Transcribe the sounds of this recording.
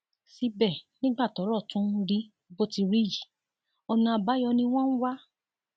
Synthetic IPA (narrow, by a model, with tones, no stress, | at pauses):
si˧˦bɛ˦˨nĩ˦ɡ͡ba˦˨tɔ˨˦ɾɔ˦˨tũ˦ɾi˦˧ɡ͡bo˧ti˧ɾi˦˨ji˨ | ɔ˧nĩ˧a˧ba˨˦jɔ˧nĩ˦w̃ɔ̃˦n̩˦wa˦